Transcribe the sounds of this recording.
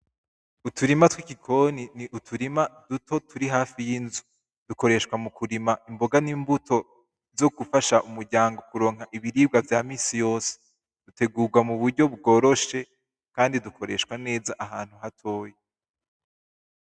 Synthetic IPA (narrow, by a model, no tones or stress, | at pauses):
utʰuɾimatwikikʰo̞niniʔutʰuɾimadutʰo̞tʰuɾiɦaːfijinzu | d̥uko̞ɾe̞ʃkwamukuɾimaimbo̞ɡaniːmbuto̞ | zo̞ɡufaʃaʔumuɾɟaːŋɡo̞kuɾo̞ːŋɦaʔiβiɾiːb̚ɡavjaːmiːsijo̞ːse̥ | d̥ute̞ɡuːɡwamuβuɾɟo̞bɡo̞ːɾo̞ʃe̞ | kaːndidukʰo̞ɾe̞ʃwane̞ːzaʔaɦaːn̥huɦatʰo̞ːje